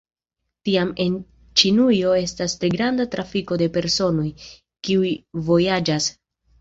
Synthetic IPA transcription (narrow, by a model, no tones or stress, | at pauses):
tiame̞n | t͡ʃinujo̞e̞stastɾe̞ɡɾandatɾafiko̞de̞pe̞ɾso̞no̞j | kiujvo̞jad͡ʒas